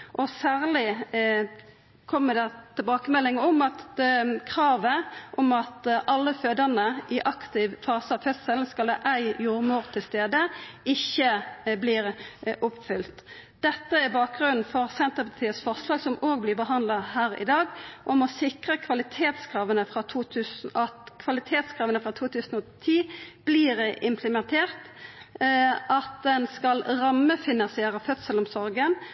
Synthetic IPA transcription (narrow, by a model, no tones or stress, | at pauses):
ʔɔsæːʁlɪ | kʰɔmːəd̪ɛt̪ʰɪlbɑːkəmɛlːɪŋəɔmɑt̪kʰɾɑːʋəʔɔmɑt̪ʔɑlːəføːd̪əʁnəʔɪʔɑkt̪ɪʋfɑːsəɑʋfœssəln̩skɑləʔæɪjuːʁmuːʁt̪ʰɪlst̪eːd̪əɪçːəbliːɾʔʊpfʏlt̪ | d̪̥ɛt̪ːəæbɑːk̚ɡʁʉnn̩fɔʁsɛnt̪əpʰɑʁt̪ʰiːət̪sfɔʁslɑːɡsɔmʔoːɡ̚blɪʁbəɦɑnd̪lɑhæːʁɪ̰d̪ɑːɡʔɔmɔsɪkʁəkʰʋɑlɪt̪ʰeːt̪skʰʁɑːʋənəfʁɑt̪ʰuːt̪ʰʉːsn̩ɑt̪kʰʋɑlɪt̪ʰeːt̪skʰʁɑːʋənəfʁɑt̪ʰuːt̪ʰʉːsn̩ɔt̪ʰiːb̥liːɾɪmpʰləmɛnt̪ʰeːʁt̪ | ʔɑt̪̚d̪ɛnskɑlʁɑmːəfɪnɑnsɪeːɾəfœt̪səlɔmsɔɾɡən